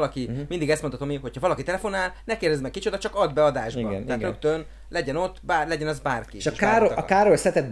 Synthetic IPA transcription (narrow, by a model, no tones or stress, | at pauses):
lɒkimind̪iɡɛst̪mot̪ʰɒt̪omiɦo̞chɒvɒlɒkit̪ɛlɛfo̞naːlnɛkeːrd̪ɛzmɛkkit͡ʃo̞d̪ɒt͡ʃɒkɒd̪bɛɒd̪aːʒbɒɛɦːt̪røkt̪øn | lɛɟɛnot̪ːbaːlɛɟɛnɒzbaːrkieʃʃkaɾoɒkaːɾolsɛt̪ɛd̪̚